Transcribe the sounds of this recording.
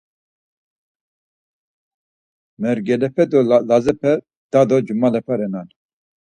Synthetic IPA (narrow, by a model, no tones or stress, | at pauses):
mɛɾɡɛlɛpɛd̪ɔlazɛpʰɛ | d̪̥ad̪ɔd͡ʒumalɛpʰaɾɛnan